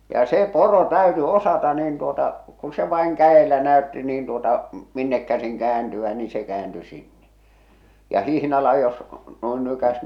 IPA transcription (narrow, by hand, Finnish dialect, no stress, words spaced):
jɑ se poro tæyty osɑtɑ niːn tuotɑ ku se ʋɑiŋ kæelæ næø̝tːi niːn tuotɑ minːek kæsiŋ kæːntyæ ni se kæːnty sinːe jɑ hihnɑlɑ jos noin nykæs